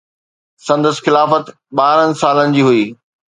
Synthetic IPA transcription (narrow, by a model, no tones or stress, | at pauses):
sɐ̃nd̪əsxɪlaːfət̪ | ɓaːɾənɪ̆saːlənɪ̆d͡ʑiːɦuiː